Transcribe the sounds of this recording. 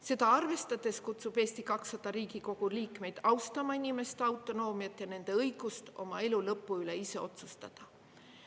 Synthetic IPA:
se̞d̪ɑɑrve̞st̪ɑd̪̥e̞skut̪sub̥e̞ːst̪ikɑksːɑd̪̥ɑɾiːɡiko̞ɡ̥uliːkˑme̞jd̪̥ɑwst̪ɑmɑinime̞st̪ɑwt̪ˑːo̞no̞ːmjɑt̪ːˑjɑne̞nd̪̥e̞ɤjɡ̥ust̪o̞̰mɑe̞lulɤpːuyle̞ise̞o̞t̪sust̪ɑd̪̥ɑ

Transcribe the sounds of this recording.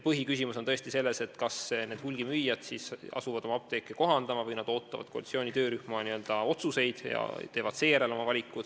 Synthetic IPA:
pɤɦikysimusot̪ɤesʲt̪ise̞lːe̞se̞t̪kɑsned̪̥hulɡ̥imyjːɑd̪̥sisɑ̰suvɑd̪̥o̞mɑɑp̚t̪e̞ːkːˑeko̞ɦɑnd̪̥ɑmɑvɤjnɑd̪o̞ːt̪ːɑvɑ̰d̥̪ko̞ɑ̰itsio̞ːnʲit̪ø̞ːɾyhmɑniø̞ld̪̥ɑo̞t̪suse̞jd̪̥jɑ̰t̪e̞ːvɑd̪̥se̞ːɾelo̞mɑvɑlʲikːˑud̪̥

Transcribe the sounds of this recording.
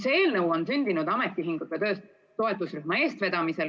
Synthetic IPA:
seeːlnɤwo̞nsynʲd̪̥inud̪ɑmet̪ːˑiɦiŋɡ̥ut̪ːɑt̪ø̞ːst̪ | t̪o̞e̞t̪ːˑusryhmɑe̞ːst̪ve̞d̪̥ɑmise̞l

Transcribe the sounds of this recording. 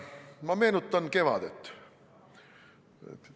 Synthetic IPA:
mɑme̞ːnut̪ˑːɑnke̞vɑ̰d̪̥et̪ː | ḛt̪

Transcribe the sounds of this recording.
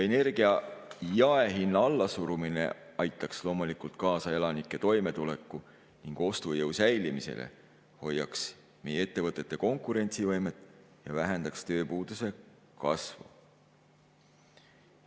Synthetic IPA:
ene̞rɡ̥iɑjɑe̞ɦinːɑɑlːɑsuɾumine̞̰ɑjt̪ːˑɑkslo̞ːmulikult̪̚kɑːsɑelɑnikːˑe̞t̪o̞jme̞t̪ule̞kːˑu | niŋɡ̥o̞st̪ujɤwsæjlimise̞̰lʔḛ | ho̞jːɑ̰ks | mejee̞t̪ːe̞vɤt̪ˑːe̞t̪ːˑe̞ko̞ŋkuɾe̞nʲt̪sivɤjmet̪ːˑ | jɑvæɦend̪̥ɑkst̪ø̞ːpuːd̪̥use̞ | kɑ̰svṵ

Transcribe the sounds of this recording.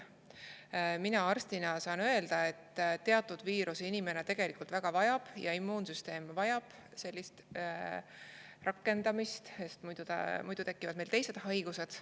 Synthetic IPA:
minɑɑrst̪inɑsɑːnø̞e̞ld̪̥ɑe̞t̪ːt̪ːe̞ɑt̪ːˑud̪̥viːɾʔusinime̞ne̞t̪e̞ɡ̥e̞likːˑult̪væɡ̥ɑvɑjɑb̥jɑ̰imːuːnsyst̪e̞ːmvɑjɑb̥ | se̞lʲːist̪ | rɑkːˑe̞nd̪̥ɑmist̪sest̪mujd̪̥ut̪ɑ̰mujd̪̥ut̪e̞kːˑivɑd̪melt̪e̞jse̞d̪̥ɦɑjɡ̥use̞d̪̥

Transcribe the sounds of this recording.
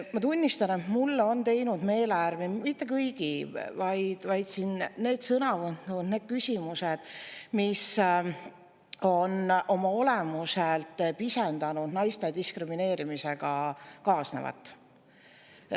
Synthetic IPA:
mɑt̪unʲːist̪ɑne̞t̪mulːo̞nt̪e̞jnud̪̥me̞ːleærvimit̪ˑːe̞kɤjɡ̥ivɑjd̪̥vɑjd̪̥sinne̞ːd̪̥sɤnɑvɯnud̪ne̞ːd̪̥̚kysʲimuse̞d̪̥mis | o̞nʔo̞mɑo̞lemuselt̪ːˑpisend̪ɑnud̪̥nɑjst̪e̞d̪iskrimine̞ːɾimise̞ɡ̥ɑkɑːsnḛvɑ̰t̪ːˑ

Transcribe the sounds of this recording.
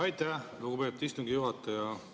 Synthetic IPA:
ɑjt̪æhluɡupe̞p̚t̪ist̪uŋɡ̥ijuɦɑt̪ːˑɑjɑ

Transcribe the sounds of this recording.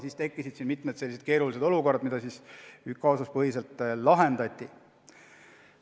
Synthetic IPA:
siːst̪e̞kːisid̪̥sinmit̪med̪̥se̞lːised̥̪ke̞ːɾulise̞d̪o̞luko̞rd̪̥mid̪ɑsisykkːɑosɑspɤɦiselt̪ːˑlɑɦe̞nd̪̥ɑt̪ʲːˑi

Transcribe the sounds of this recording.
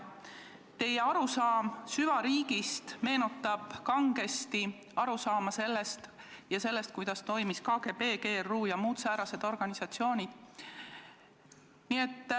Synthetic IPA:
t̪e̞je̞ɑɾusɑːmsyvɑɾiːɡ̥ist̪me̞ːnut̪ːˑɑb̥kɑŋɡ̥e̞st̪i | ɑɾusɑːmɑse̞lːe̞st̪ | jɑse̞lːe̞st̪kujd̪̥ɑst̪o̞jmiskɑːɡ̥epe̞ːɡeːruːjɑmuːt̪sæːɾɑse̞d̪̥o̞rɡ̥ɑnisɑt̪sio̞ːnʲid̪̥ | nie̞t̪ː

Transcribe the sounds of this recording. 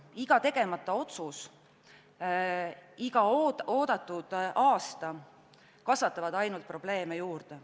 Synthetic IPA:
iɡ̥ɑt̪e̞ɡ̥e̞mɑt̪ːˑɑo̞t̪sus | iɡ̥ɑooːd̪ɑt̪ːˑud̪̥ʔɑːst̪ɑ | kɑsvɑt̪ːˑɑvɑd̪ɑjnult̪̚pro̞b̥le̞ːmejuːrd̪̥e

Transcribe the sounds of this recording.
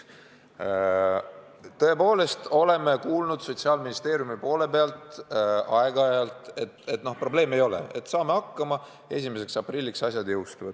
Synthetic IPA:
t̪ɤe̞po̞ːle̞st̪o̞le̞mekuːlnud̪̥so̞t̪ʲsiɑːlminist̪e̞ːɾjumipo̞ːle̞peɑlt̪ˑɑeɡ̥ɑɑjɑlt̪ˑe̞t̪e̞t̪ːˑno̞hpro̞ble̞ːmejo̞le̞̰et̪ːsɑːme̞ɑkːɑmɑ | e̞s̬ʲime̞s̬e̞ksɑprilʲːiksɑsjɑd̪jɤwst̪uvɑd̪̥

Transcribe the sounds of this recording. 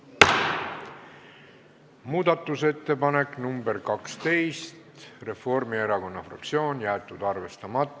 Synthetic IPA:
muːd̪̥ɑt̪ːˑuse̞t̪ːe̞pɑne̞kˑnumbeɾkɑkst̪e̞jst̪re̞fo̞rmieɾɑko̞nːɑfrɑ̰k̚t̪sio̞ːnjæːt̪ːˑud̪ɑrve̞st̪ɑmɑt̪ːˑ

